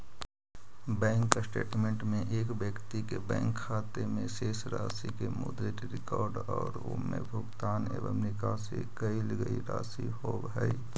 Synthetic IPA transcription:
bɛ̃ːŋksʈeːʈmẽɳʈmẽʔeːkbjəkt̪ikebɛ̰̃ːŋkʰːaːt̪emẽʃeːsɾaːsikemʊ̰d̪ɾetiɾɪkɔːɾɖɔːɾo̰mḛ̃bʱʊɡt̪aːnḛːʋə̰mnɪkaːsḭkəilɡəiɾa̰ːsiɦoʋɦɛi

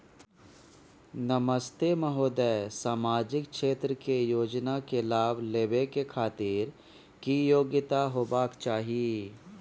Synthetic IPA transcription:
nəməst̪eməɦoːd̪əjsaːmaːd͡ʒɪkkʃeːt̪ɾəkejoːd͡ʒnakelaːbleːbekekʰaːt̪iːɾ | kijoːɡɪt̪aɦoːbaːkt͡ʃaːɦie

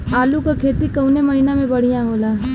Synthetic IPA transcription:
aːlukakʰeːt̪ikɐʊnemɐɦinamẽbɐɽ̤ijãɦoːlaː

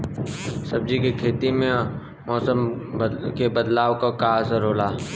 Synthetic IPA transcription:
sɐb̚d͡ʒikekʰeːt̪imẽ | mɔːsəm | kebɐd̪laːʋkakaːsəɾoːlaː

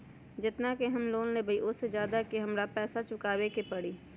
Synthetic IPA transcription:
d͡ʒɪt̪nakeɦɐmloːnlẽbʱɐiʔʊed͡ʒjaːd̪akeɦɐmɾapɛːsat͡ʃʊkaːwekepɐɽiː

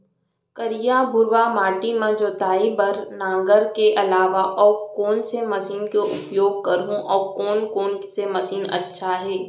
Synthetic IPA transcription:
kəɾɪjabʱʊɾʋamaːʈimãd͡ʒoːt̪aːibɐɾnãːɡəɾkeʔɐlaːʋaʔɔːɾkoːnsemɐsiːnkeʔʊ̰pjoːɡ̚kɐɾɦũʔɔːɾkɔːnkoːnsemɐsiːnɐ̰tːʃʰaɦɛː

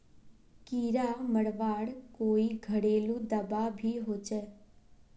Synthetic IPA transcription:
kiɾaməɽʋaɽkoːiɡʱəɽelũd̪əbabʱiɦot͡ʃe

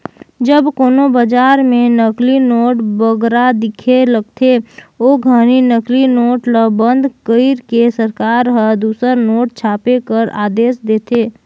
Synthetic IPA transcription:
d͡ʒəbkoːnobəd͡ʒaːɾmẽnəklinoːʈbəɡɾad̪ɪkʰeləɡ̚t̪ʰeoːɡʱəñinəklinoːʈləbə̃nd̪ʱkəɪɾkesəɾkaːɾɦəd̪uːsəɾnoːʈ̚t͡ʃʰaːpekəɾa̰ːd̪eːsd̪eːt̪ʰeː

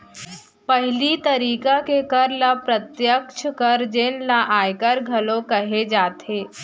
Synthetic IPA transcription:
pɐɦɪlit̪ɐɾiːkakekɐɾlapɾət̪jəkʃʰkɐɾd͡ʒenlaʔaːjkəɾɡʱɐlokɐɦed͡ʒaːt̪ʰeː

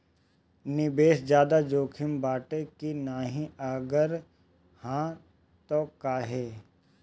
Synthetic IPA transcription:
nɪbeːsd͡ʒjaːd̪ad͡ʒoːkʰɪmbaːʈekinaːɦĩəɡəɾ | hãː | t̪okaːɦeː

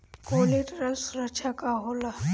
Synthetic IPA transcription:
koːleʈɾəsuɾət͡ʃʰakaɦola

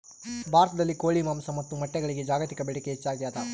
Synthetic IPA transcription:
bʱaːɾɐt̪ɐd̪ɐlːikoːɭimaːmsɐmɐt̪ːumɐʈːɛɡɐɭiɡed͡ʒaːɡɐt̪ikɐbɛɽikeɦet͡ʃːaːɡijaːt̪ɐ

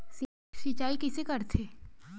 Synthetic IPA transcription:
si | sit͡ʃaːikɪsekɐɾt̪ʰeː

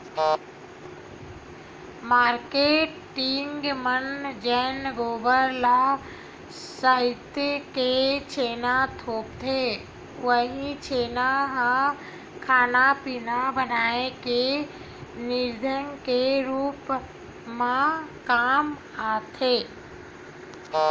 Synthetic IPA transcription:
maːɾkeːʈɪŋɡmənd͡ʒɛːnɡoːbəɾla | səɪt̪ket͡ʃʰeːnat̪ʰoːpt̪ʰe | ʋəɦit͡ʃʰeːnaɦã | kʰaːnapinabənaːeke | nɪɾd̪ʱənkeɾuːp | mãkaːm | aːt̪ʰeː

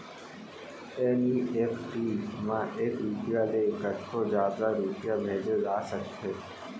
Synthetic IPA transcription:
eniːʔefʈiːmãːʔeːkɾupjaːleɡəʈʰːoːd͡ʒjaːd̪aːɾupjaːmeːd͡ʒəzaːsəktʰeː

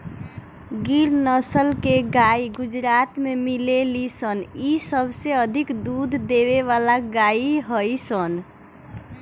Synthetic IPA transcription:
ɡiɾnəsəlkeɡaiɡud͡ʒɾat̪memilelisənisəbʱseəd̪ʱikd̪ud̪ʱd̪eβeʋalaɡaiɦəjsən

